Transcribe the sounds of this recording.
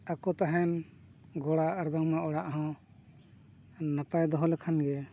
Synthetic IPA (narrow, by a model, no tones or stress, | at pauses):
akɔt̪aɦɛn | ɡɔɽaːɾbaŋmaʔɔɽaʔɦɔ̃ | napajd̪ɔɦɔlɛkʰanɡɛ